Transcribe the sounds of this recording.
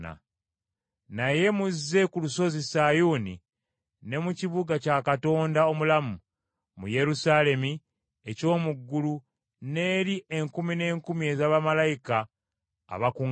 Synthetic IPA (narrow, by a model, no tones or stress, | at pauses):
a̰ | naje̞muzːe̞kuluso̞zisajuːni | ne̞muciβuɡacakato̞ːndao̞mulamu | mṵje̞ɾusaːle̞mi | eco̞ːmuɡːulu | ne̞ːɾie̞ŋkumine̞ːŋkumie̞zaβamalajika̰ː | βakuŋ